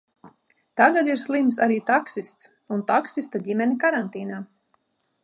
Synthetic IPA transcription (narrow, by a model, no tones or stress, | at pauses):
t̪aɡad̪iɾslˠims̬aɾiːt̪aksist̪s | unt̪aksist̪adʲimʲɛnʲikaɾant̪iːnaː